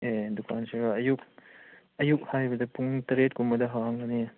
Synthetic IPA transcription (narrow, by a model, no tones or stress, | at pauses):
edukʰansiɾɐɐjuk̚ | ɐjuk̚hajibɐdɐpuŋtɐɾet̚kumɐdɐɦawaŋɡɐni